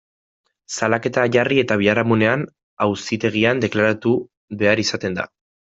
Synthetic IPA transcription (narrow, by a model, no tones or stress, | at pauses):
salake̞t̪aʝarie̞t̪aβiaɾamune̞an | awsit̪e̞ɣ̞iand̪e̞klaɾat̪u | βe̞aɾisat̪e̞nd̪a̰